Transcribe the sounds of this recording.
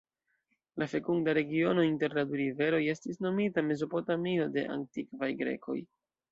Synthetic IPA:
lafe̞kuŋɡdaɾe̞ɡio̞no̞inte̞ɾladuɾive̞ɾo̞je̞stisno̞mitame̞zo̞po̞tamio̞de̞̰ʔa̰ntikvajɡɾe̞̰kʰo̞̰j

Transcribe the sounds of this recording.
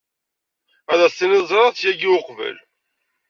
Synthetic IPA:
æðæsinizˤɾˤɑθjæɡiʊqvə̰l

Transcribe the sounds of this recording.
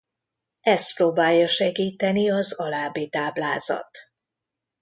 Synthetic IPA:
ɛst̪̚proːbaːjːɒʃɛɡiːt̪ɛniɒzɒlaːbiːt̪aːblaːzɒ̰t̪

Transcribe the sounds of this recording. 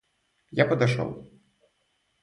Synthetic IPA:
japɐd̪aʂɔ̰w

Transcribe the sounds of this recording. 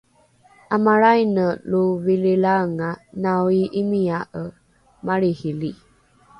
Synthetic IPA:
amaɾajnəluvililaəŋanawiʔimiaʔə | maɾihili

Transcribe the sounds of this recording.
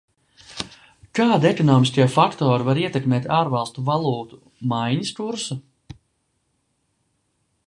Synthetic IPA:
kaːd̪iekɔnɔːmiskʲiɛfakt̪ɔːɾivaɾiɛt̪ekmɛːt̪aːɾvalˠst̪uvalˠuːt̪u̥ | majɲiskuɾsu

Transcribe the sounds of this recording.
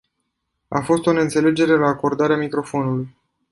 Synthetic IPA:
a̰fo̞st̪onent̪se̞le̞d͡ʒe̞ɾe̞laːko̞rd̪aɾeamikɾo̞fo̞nuluj

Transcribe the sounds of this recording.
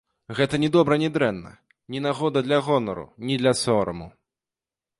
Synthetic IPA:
ɣɛt̪ɐnʲɛd̪ɔbɾɐnʲɛd̪ɾɛnːɐ̰ | nʲinaɣɔd̪ɐd̪lʲɐɣɔnɔɾṵnʲid̪lʲɐsɔɾɐ̰mu

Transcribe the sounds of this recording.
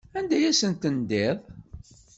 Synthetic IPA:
ænd̪æjæsənt̪ənd̪eðˤ

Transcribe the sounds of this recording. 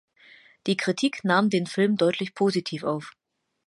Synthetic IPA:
d̥iːkʁ̥itʰiːknaːmdeːnfɪlmdɔʏtʰlɪçpʰoːzitʰiːfaʊf

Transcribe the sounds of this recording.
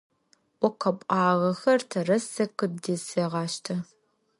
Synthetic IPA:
ʔʷɔqɐpʷʼɑːʁɐxɐrtʰɐrɐsɐkɨd̚deːseːʁɑːʃtʰɐ

